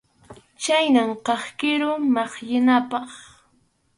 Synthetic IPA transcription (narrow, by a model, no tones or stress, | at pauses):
t͡ʃajnamqɑχkɪɾʊmɑχjɪnapɑχ